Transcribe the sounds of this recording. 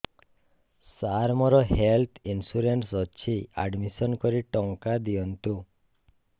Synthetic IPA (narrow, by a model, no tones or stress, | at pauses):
saɾmɔɾɔɦelt̪ʰinsuɾensɔt͡ʃʰia̰ɖmisɔnkɔɾiʈɔŋkad̪iɔnt̪u